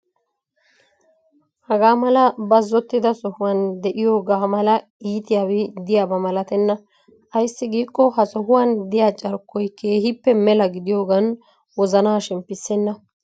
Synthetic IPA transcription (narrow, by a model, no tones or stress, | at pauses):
hɐɡaːmɐlɐbɐzːɔt̪ːɪd̪ɐsɔhʊwɐnd̪ɛʔɪjoːɡaːmɐlɐ | iːt̪ɪjaːwɪd̪ɪjaːbɐmɐlɐt̪ɛnːɐ | ʔɐjsːɪɡiːkʼːɔɦɐsɔɦʊwand̪ɪjat͡ʃʼɐɾkːɔjke̞ːhɪpːɛmɛlɐɡɪd̪ɪjoːɡɐn | wɔzɐnaːʃɛmpɪsːɛnːɐ